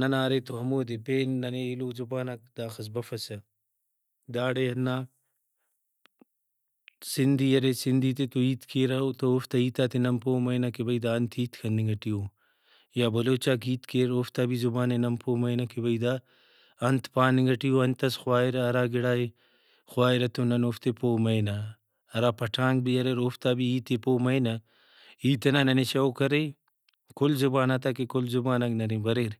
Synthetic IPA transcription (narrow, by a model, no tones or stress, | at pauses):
nɐnaːɾet̪oɦɐmoːd̪epeːnːɐneːiloːzubaːnɐkd̪aːxɐs̬bɐfɐsɐ | d̪aːɽeɐnːaː | sind̪iːjɐɾesind̪iːt̪et̪uiːt̪kʰeːɾat̪ɐoft̪ɐiːt̪aːt̪ʰenɐmpoːmɐjnɐkebɐid̪aːɐnt̪ʰiːt̪kʰɐniŋɡɐʈijoː | jabɐloːt͡ʃaːk̬iːt̪keːɾoːft̪abizubaːnenɐmpoːmɐjnɐkebɐid̪a | ɐnt̪ʰpaːniŋɡɐʈijoɐnt̪ɐsxʊwaːiɾɐɐɾaːɡɪɽaːe | xʊwaːiɾɐt̪onɐnoːft̪epoːmɐjnɐ | ɐɾaːpɐʈʰãːŋɡbiɐɾeɾoːft̪aːbiiːt̪epoːmɐjnɐ | iːt̪ɐnanɐneʃɐokɐɾe | kʊlzubaːnat̪akekʊlzubaːnɐknɐnebɐɾeːɾ